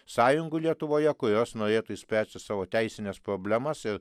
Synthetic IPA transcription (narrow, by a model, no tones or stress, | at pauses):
sɑːjʊŋɡʊlʲiɛt̪ʊʋoːjɛkʊɾʲoːsnoːɾʲeːt̪uːɪsʲpʲæːsʲt̪ʲɪsɑːʋoːt̪ʲæɪsʲɪnʲɛspɾoːbʲlʲæmɐsɪɾ